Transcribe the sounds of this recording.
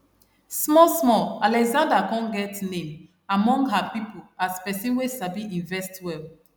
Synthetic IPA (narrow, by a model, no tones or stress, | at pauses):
smɔsmɔlalɛkzãndakɔ̃nɡɛtnẽm | amɔ̃ŋɡɦapipoaspɛsĩnwesabiĩɱvɛstwɛl